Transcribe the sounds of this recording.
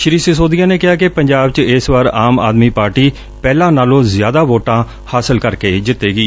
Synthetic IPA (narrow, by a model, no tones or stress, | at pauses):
ʃɪɾiːsɪsoːd̪ɪjãːneːkɪɦaːkɪpəɲd͡ʒaːb̚t͡ʃɪsʋaːɾaːma̰ːd̪miːpaːɾʈiː | pɛːlãːnaːlõːzɪjaːd̪aːʋoːʈãː | haːsəlkəɾkeːd͡ʒɪt̪eːɡiː